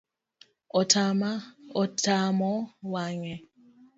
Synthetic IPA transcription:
ɔtʰamaɔtʰamɔwaŋɛ

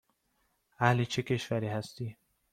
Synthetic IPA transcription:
æhlit͡ʃʰekʰeʃvæɾiːhæst̪iː

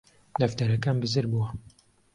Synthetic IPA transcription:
lɐft̪ɐɾɐkaːnbɨzɨɾbuwɐ

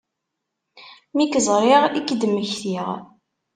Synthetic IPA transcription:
mikzˤɾˤiʁikːd̪əmːəçθiʁ

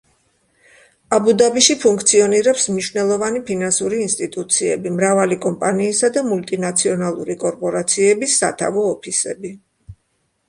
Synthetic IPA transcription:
abud̪abiʃipʰuŋkʰt̪sʰiɔniɾɛpsmniʃwvnɛlˠɔvanipʰinansuɾiːnst̪ʼit̪ʼut̪sʰiɛ̰bimɾavalikʼɔmpʼaniːsad̪amult̪ʼinat̪sʰiɔnalˠṵɾikʼɔɾpʼɔɾat̪sʰiɛbisːa̰t̪ʰa̰vɔːpʰisɛ̰bi

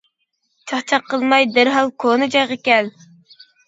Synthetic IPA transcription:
t͡ʃʰɑχt͡ʃʰɑqːəlˠmɑjd̪æɾɦɑlˠkʰonɨd͡ʒɑjʁəkʲɛl

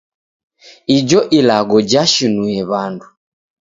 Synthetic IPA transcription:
id͡ʒɔʔilaɡɔd͡ʒaʃinuɛβandu

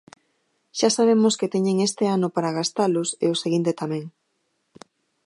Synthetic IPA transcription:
ʃasaβ̞emʊsket̪ɛɲeŋest̪eanʊpaɾaɣast̪alʊsḛoseɣint̪et̪amɛ̃ŋ

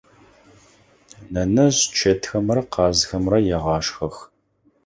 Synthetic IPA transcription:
nɐnɐʑt͡ʃʰetʰxɐmrɐqɑːzxɐmrɐjɛʁɑːʃxɐx

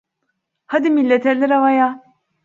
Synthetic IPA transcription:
had̪imilʲːet̪ʰɛɾlʲɛɾavaja

